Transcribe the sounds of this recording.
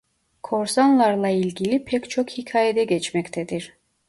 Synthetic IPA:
kʰoɾsanlˠaɾlˠɑilʲɡʲilʲipʰɛkt͡ʃʰokhicʰaːjɛd̪ɛɡɛt͡ʃmɛcʲt̪ʰɛd̪iɾ

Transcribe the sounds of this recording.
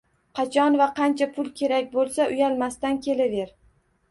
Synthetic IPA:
qʰɑt͡ʃʰɒnvaqʰɑnt͡ʃʰapʰʊlˠkʲʰe̞ɾakʲbolˠsaʔʊjalmast̪ankʲe̞lave̞ɾ

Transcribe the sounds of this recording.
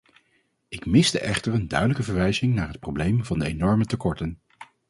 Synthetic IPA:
ɪkmɪstə̰ʔɛχtəɹəndœ̰ɥdələkəvəɹʋɛjzɪŋnaːɹɦət̚prowblejmvɑndəenɔɹmətəkɔɹtən

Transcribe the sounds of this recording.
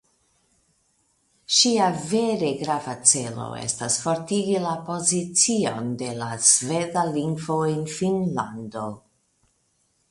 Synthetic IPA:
ʃiave̞ɾe̞ɡɾavat͡se̞lo̰e̞̰stasfo̞ɾtiɡilapo̞zit͡sio̞̰nde̞lazve̞daliŋɡvo̞enfinla̰ndo̞

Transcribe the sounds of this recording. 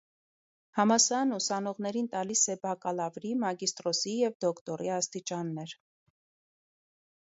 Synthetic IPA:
hɑmɑsɑnusɑnɔʁn̪ɛɾint̪ɑlisɛbɑkɑlɑvɾimɑɡist̪ɾɔsijɛvd̪ɔkt̪ɔɾiɑst̪it͡ʃɑnːɛɾ

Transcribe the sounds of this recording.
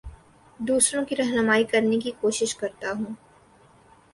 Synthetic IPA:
d̪uːsɾõkiɾɐɦnəmaːikɐɾnekikoːʃɪʃkɐɾt̪aɦũː

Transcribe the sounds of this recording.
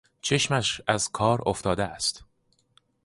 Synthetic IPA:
t͡ʃʰe̞ʃmæʃæzkʰɒːɾoft̪ɒːd̪eæst̪

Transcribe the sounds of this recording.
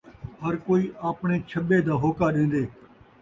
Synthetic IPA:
ɦəɾkoːiːʔaːpɳeːt͡ʃʰəɓeːd̪aːɦoːkaːɗẽːn̆d̪eː

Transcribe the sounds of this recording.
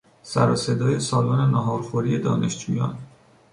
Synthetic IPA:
sæ̰ɾɒ̰ːse̞d̪ɒːje̞sɒːlɒːne̞næɦɒːɾxoɾije̞d̪ɒ̰ːne̞ʃd͡ʒuːjɒ̰ːn

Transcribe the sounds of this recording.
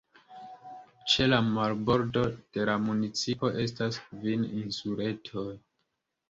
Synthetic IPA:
t͡ʃe̞lamaɾbo̞ɾdo̞d̥e̞lamunit͡sipo̞ʔe̞staskvininsuɾe̞tʰo̞j

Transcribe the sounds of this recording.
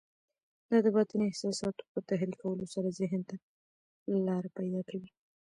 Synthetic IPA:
d̪̥ɑd̪əbɑt̪əniɪhsɑsɑt̪o̥pət̪aɦɾikʰawəlosaɾazɪɦnt̪a | lalɑɾapajd̪ɑkawi

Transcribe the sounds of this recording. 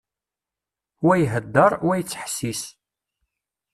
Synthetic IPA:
wæjɦəd̪ːəɾˤwæjət͡sːħə̥sːis

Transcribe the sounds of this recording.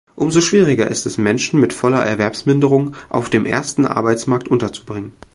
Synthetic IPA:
ʔʊmzoʃv̥iːʁ̞ɪɡɐʔɪ̰stɛsmɛnʃn̩mɪtfɔlɐʔɛ̰ɐvɛɐpsmɪndəʁʊŋʔa̰ʊfd̥eːmʔḛːɐstn̩ʔa̰ɐbaɪt͡smaɐk̚tʔʊntɐt͡su̥bʁɪŋən

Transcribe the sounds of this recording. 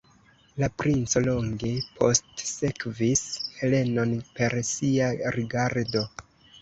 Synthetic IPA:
lapɾint͡so̞lo̞ŋɡe̞pʰo̞̰stse̞kvishe̞le̞no̞npe̞ɾsiaɾiɡaɾdo̞

